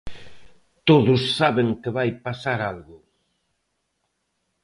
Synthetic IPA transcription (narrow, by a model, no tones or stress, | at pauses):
t̪oðʊsːaβeŋkɪβajpasaɾalɣʊ